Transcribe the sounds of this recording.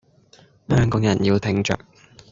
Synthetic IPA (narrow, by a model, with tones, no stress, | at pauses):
hœː˥ŋkɔː˨˧˥ŋjɐ˨˩njiː˧wt̪ʰɪ˨˥ŋt͡ʃœ̰ː˨k̚